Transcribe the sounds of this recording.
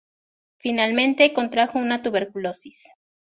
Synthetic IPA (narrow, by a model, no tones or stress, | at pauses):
finalmẽ̞nt̪e̞ko̞nt̪ɾaxo̞unat̪uβeɾkulo̞sis